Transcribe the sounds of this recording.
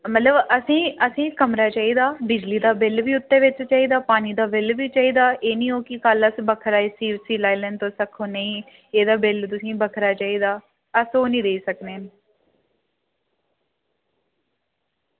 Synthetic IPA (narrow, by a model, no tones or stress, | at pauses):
mət̪ləbəsĩːəsĩːkəmɾaːt͡ʃaːiːd̪aːbɪd͡ʒliːd̪aːbɪlʋiːʊt̪ːẽːʋɪt͡ʃt͡ʃaːiːd̪aːpaːniːd̪aːbɪlʋiːt͡ʃaːiːd̪aːʔeːnĩːoːkɪkələsbəkʰəɾaːiːsiːʋsiːlaːilɛ̃ːɳɖt̪õːsəkʰoːneĩː | eːd̪aːbɪlt̪ʊsĩːbəkʰɾaːt͡ʃaːiːd̪aː | əsoːnĩːd̪eiːsəkneːn